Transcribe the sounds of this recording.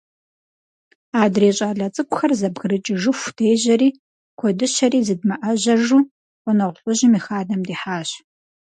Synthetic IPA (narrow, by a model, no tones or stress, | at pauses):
aːdreːɕʼaːɮɐt͡sʼɨkʷʼʊxɐrzɐbɣɨrɨt͡ʃʼɪʒɨxʷd̥ejʑɐɾiː | kʷʰɔdɨʃɐɾiːzɨdmɐʔɐʑɐʒuː | qʷʼɔnɐʁʷʊɬʼʊʑɪmiːxaːdɐmdiːħaːɕ